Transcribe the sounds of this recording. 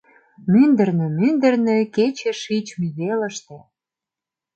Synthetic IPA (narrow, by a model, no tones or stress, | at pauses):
mynd̪ə̆rnĕmynd̪ə̆rnø̆ket͡ɕeʃit͡ɕmiɣelə̆ʃt̪ĕ